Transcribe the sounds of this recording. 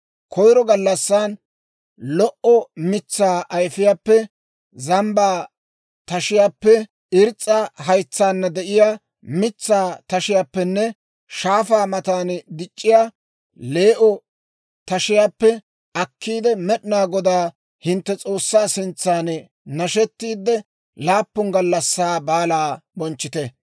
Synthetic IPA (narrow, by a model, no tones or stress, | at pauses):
kʰɔjɾɔɡɐlːɐsːaːn | lɔʔɔmɪt͡sːaːʔɐjfɪjaːpːɛ | zɐmbaː | t̪ɐʃɪjaːpːɛ | ɪɾt͡sʼːɐɦɐjt͡sːaːnːɐd̪ɛʔɪjaː | mɪt͡sːaːt̪ɐʃɪjaːpːɛnːɛ | ʃaːfaːmɐt̪aːnd̪ɪt͡ʃʼːɪjaː | le̞ːʔɔ | t̪ɐʃɪjaːpːɛ | ʔɐkʰːiːd̪ɛmɛɗɪnaːɡɔd̪aː | hɪnt̪ːɛt͡sʼo̞ːsːaːsɪnt͡sːaːn | nɐʃɛt̪ːiːd̪ːɛ | laːpːʊŋɡɐlːɐsːaːbaːlaːbɔnt͡ʃːɪt̪ɛ